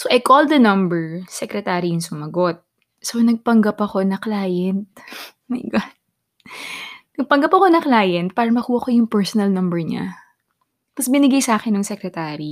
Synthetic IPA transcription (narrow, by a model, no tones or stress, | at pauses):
soʔɐjkold̪ɐnɐ̃mbɛɹsɛkɾɛt̪aːɾijʊŋsʊmɐɡo̞t̪̚ | sonɐɡ̚pɐŋɡɐpɐko̞nɐklaːjɛnt̪̚ | mɐjɡat̪̚ | nɐɡ̚pɐŋɡɐpɐko̞nɐklaːjɛnt̪̚paːɾɐmɐkuːwɐkojʊŋpɛɹsonɐlnɐmbɛɹɲa̰ | t̪ɐsbɪnɪɡajsaːkɛnːʊŋsɛkɾɛt̪aːɾi